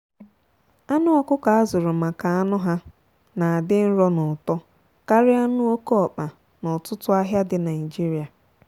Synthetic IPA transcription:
a˦nʊ˦ɔ˦˨kʊ˦ka˨a˦zʊ˨ɾʊ˨ma˨ka˨a˦nʊ˦ɦa˦ | na˨a˨dɪ˦n̩˦ɾɔ˦nʊ˨tɔ˦ | ka˦ɾɪ˦a˦nʊ˦o˦kɔ˨k͡pa˨ | nʊ˨tʊ˦tʊ˦a˦ɦja˦dɪ˨na˨i˨d͡ʒi˦ɾi˨a˨

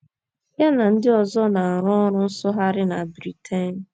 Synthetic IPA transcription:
ja˦na˨n̩˦dɪ˦ɔ˨zɔ˦na˨a˨ɾɔ˦ɾʊ˦n̩˦sɔ˦ɦa˦ɾɪ˦na˨bɾi˨tʰe˦n˨

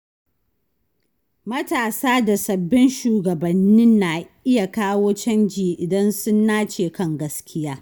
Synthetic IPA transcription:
mɐ˦taː˨saː˦da˨sɐ˨bːɪ˦nʃuː˨ɡɐ˨bɐ˨nːɪ˦nːa˨ʔɪ˦ja˨kaː˦woː˦t͡ʃɐ˦nd͡ʒiː˨ʔɪ˨dɐ˦nsʊ˦nːaː˦t͡ʃeː˨kɐ˦ŋɡɐ˦skʲʰɪ˦jaː˦

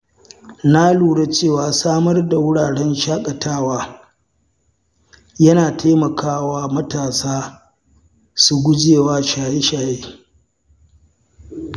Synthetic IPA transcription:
na˦luː˨ɽa˦t͡ʃeː˦˨waː˨saː˦mɐ˦rda˨wʊ˦ɽaː˨ɽɛ˦nʃaː˦kʼɐ˨tʰaː˦waː˦ | jɐ˦naː˨tʰaː˦mɐ˨kʰaː˦waː˦mɐ˦taː˨saː˦ | su˨ɡʷʊ˦d͡ʒeː˨waː˦ʃaː˨je˦ʃaː˨jeː˦

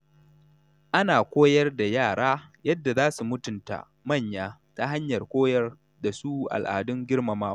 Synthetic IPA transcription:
ʔa˦naː˨kʷoː˦jɐ˦rda˨jaː˦˨ɽaː˦jɐ˦dːa˨zaː˦su˨mʊ˦tʊ˨nta̰˨ | mɐ˦˨ɲjaː˦ta˦ɦa˦ɲjɐ˨rkʷoː˦jɐ˦r | da˨suː˦ʔa̰˨lʔa̰ː˨dʊ˦ŋɡʲɪ˦rma˨maː˦

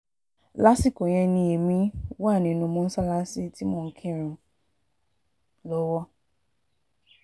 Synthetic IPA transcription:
la˦si˦˨ko˨j̃ɛ̃˧nĩ˧e˨mĩ˧˦waː˦˨nĩ˨nũ˧mɔ̃˦n̩˦sa˦la˦si˦ti˦mɔ̃˦˨˦kʰĩ˦˨ɾ̃ũ˧ | lɔ˦wɔ˦

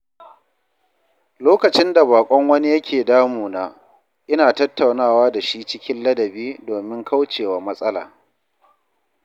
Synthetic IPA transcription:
loː˦kɐ˨t͡ʃɪ˦nda˨baː˨kʷʼɔ˦ŋwɐ˦ni˦jɐ˦kʲʰeː˨daː˦muː˨naː˦ | ʔɪ˦naː˨tɐ˦tːa˨wnaː˦˨waː˦da˨ʃi˦t͡ʃɪ˦kʲɪ˦nlɐ˦dɐ˨biː˦doː˨mɪ˦ŋkʰa˦wt͡ʃeː˨waː˨mɐ˦sʼɐ˦la̰ː˨

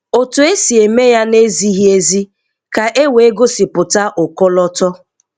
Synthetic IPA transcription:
o˨tʊ˨e˦si˨e˨me˦ja˦ne˦zi˦ɦi˦e˦zi˦ | ka˨ʔe˦we˨e˦ɡʊ˦sɪ˨pʊ˨ta˦ʔʊ˨kɔ˦lɔ˦tɔ˦

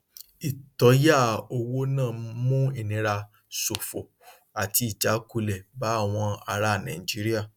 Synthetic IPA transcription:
i˨tɔ˨˧˦ja˦˨o˧wo˦nãː˦˨mũ˦i˦˨nĩ˨˧˦ɾa˧ | so˨fo˨ | a˨ti˧i˨d͡ʒa˨˦ku˧lɛ˨ba˨˦˨w̃ɔ̃˧a˧ɾa˦˨nã̰˨i˨d͡ʒi˨˦ɾi˦a˦˨

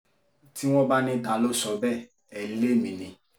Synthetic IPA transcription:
ti˦w̃ɔ̃˦ba˦nĩ˧da˧lo˦ʃɔ˧bɛ˦ | ɛ˨le˦˨mĩ˨nĩ˨

